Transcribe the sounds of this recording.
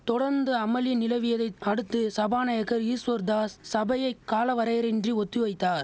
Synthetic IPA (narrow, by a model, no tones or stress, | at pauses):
t̪ɔɽɐɾnd̪ɯɐmɐlinɪlɐʋɪjɐðɐɪɐɽɯt̪ːɯsɐbaːnɐjɐkːɐɾiːsʋɐɾd̪aːssɐbɐjɐɪkːaːlɐʋɐɾɐjɾɛndriɔt̪ːɯʋɐɪt̪ːaːɾ